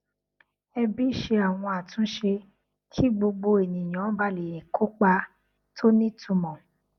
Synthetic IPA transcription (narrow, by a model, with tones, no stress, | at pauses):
ɛ˧bi˦˨ʃe˧a˨w̃ɔ̃˧a˨tũ˨˦ʃe˧ | kʰi˦ɡ͡bo˧ɡ͡bo˧e˨nĩ˨j̃ã˨˦ba˧le˨ɾĩ˨kʰo˦k͡pa˧ | tʰo˦nĩ˦tʰũ˨˧mɔ̃˨